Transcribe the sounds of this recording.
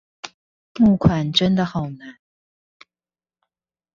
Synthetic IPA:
mu˥˩kʰwa˨˩nʈ͡ʂə˥nd̪ə˨xɑ˨˩ʊna˨˧˦n

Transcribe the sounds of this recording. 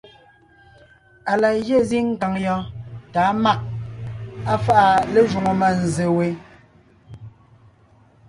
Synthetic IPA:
a˨la˨ɣje˦˨zi˦ŋ̩˦ka˨ŋjɔ˦ta˨˦ma˦˨ʔ̚ | a˦fa˦ʔa˨le˦ʒu˨ŋo˨ma˦˨n̩˨ze˨we˨˦

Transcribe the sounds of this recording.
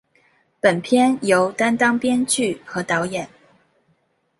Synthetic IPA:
pə˨˩npʰjɛ˥njo˧˥ʊt̪a˥nt̪ɑ˥ŋpjɛ˥nt͡ɕy˥˩xɤ˧˥t̪ɑ˧˥ʊjɛ˨˩˦n

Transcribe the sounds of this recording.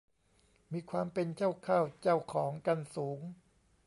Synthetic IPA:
miː˧kʰwaː˧mpe˧nt͡ɕa˥˩wkʰaː˥˩wt͡ɕa˥˩wkʰɔː˩˦ŋka˧nsuː˩˦ŋ

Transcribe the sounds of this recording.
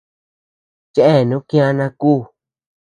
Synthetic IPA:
t͡ʃe˦ʔe˦˨nũ˦kĩ˦ã˦˧nã˧kuː˦˨

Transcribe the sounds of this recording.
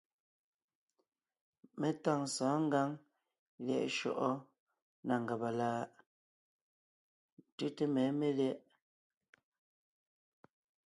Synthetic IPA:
me˨ta˦˨ŋsaː˨˦ŋ̩˦ɡa˦ŋ | ljɛ̰˨ʔʃɔ̰˨ʔɔ˦ | na˨ŋɡa˨ba˨laː˦ | tʉ˦te˦mɛ˨˦me˦ljɛ˦ʔ

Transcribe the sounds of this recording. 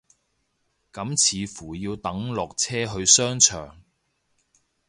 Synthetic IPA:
kɐ˨˥mt͡sʰiː˨fuː˨˩jiː˧wt̪ɐ˨˥ŋlɔː˨k̚t͡sʰɛː˥ɦɵ˧ɥsœː˥ŋt͡ʃʰœ̰ː˨˩ŋ

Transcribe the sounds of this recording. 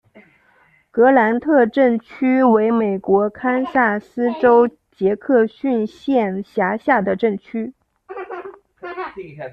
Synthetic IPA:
kɤ˧˥la˧˥nt̪ʰɤ˥˧ʈ͡ʂə˥˩ŋt͡ɕʰy˥we˧˥ɪme˨˩ɪkwɔ˧˥kʰa˥nsa˥˩sɹ̩˥ʈ͡ʂo˥ʊ | t͡ɕjɛ˧˥kʰɤ˥˧ɕy˥˧nɕjɛ˥˩nɕja˧˥ɕja˥˩d̪ə˩ʈ͡ʂə˥˩ŋt͡ɕʰy˥

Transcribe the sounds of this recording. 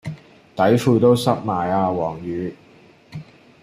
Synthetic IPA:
t̪ɐ˨˥jfuː˧jt̪o˥wsɐ˥t̚maː˨˩jaː˧wɔː˨˩ŋjyː˨˧

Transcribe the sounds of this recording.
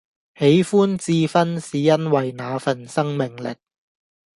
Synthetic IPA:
he˨˥jfuː˥nt͡siː˧fɐ˥nsiː˨jɐ˥nwɐ˨jnaː˨˧fɐ˨˩nsɐ˥ŋmɪ˨ŋlɪ̰˨˩k̚

